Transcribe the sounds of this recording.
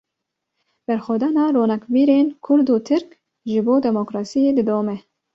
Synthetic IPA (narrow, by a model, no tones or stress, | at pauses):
b̥ɛɾxʷɛd̪ɑːnɑːɾoːnɑkviːɾeːnkʰʊɾd̪uːt̪ʰɨɾk | ʒɨboːd̪ɛmokɾɑːsijeːd̪ɨd̪oːmɛ